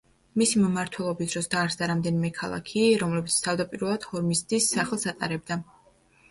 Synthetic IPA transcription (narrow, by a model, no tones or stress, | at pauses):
misimmaɾt̪ʰwɛlˠɔbisd̪ɾɔsd̪aːɾsd̪aɾamd̪ɛnimɛkʰalˠa̰kʰiɾɔmlɛbit̪sʰt̪ʰavd̪apʼiɾvɛlˠad̪̥hɔɾmist̪ʼisːaχlˠsat̪ʼaɾɛb̚d̪a